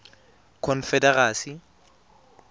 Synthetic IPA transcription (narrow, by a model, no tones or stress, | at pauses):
kʰɔnfɛdɛraːsi